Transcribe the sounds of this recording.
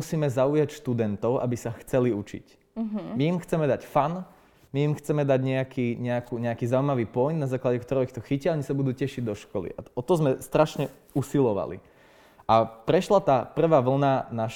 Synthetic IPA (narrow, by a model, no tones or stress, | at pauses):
usiːmɛzaujacʃt̪ud̪ɛnt̪ɔʊʔa̰bisaxt͡sɛliut͡ʃḭc | miimxt͡sɛmɛd̪acfan | miimxt͡sɛmɛd̪aɟɲɛakʰiːɲɛakuːɲɛakiːzauimaʋiːpɔjnnazaːklaɟɛkt̪ɔɾɛixt̪ɔxicɪaɔɲisabud̪uːcɛʃiɟd̪ɔʃkɔlḭʔa̰ɔt̪ɔzmɛst̪ɾaʃɲɛ | usilɔʋa̰lḭ | ʔapɾɛʃlat̪aːpr̩ʋaːʋl̩nanaʃ